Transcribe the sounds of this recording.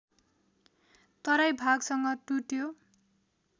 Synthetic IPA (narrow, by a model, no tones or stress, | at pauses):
t̪ʌɾajbʱaɡsʌŋɡʌʈuʈjo